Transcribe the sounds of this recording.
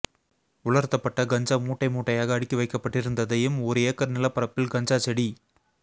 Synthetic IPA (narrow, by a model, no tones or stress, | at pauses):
ʊɭɐɾt̪ːɐpːɐʈːɐɡɐɲd͡ʒaːmuːʈːɐɪmuːʈːɐjaːɣɐːɽɪkːiʋɐɪkːɐpːɐʈːɪɾɯnd̪ɐðɐjɯmɔɾɯeːkːɐɾnɪlɐpːɐɾɐpːɪlɡɐɲd͡ʒaːt͡ʃɛɽi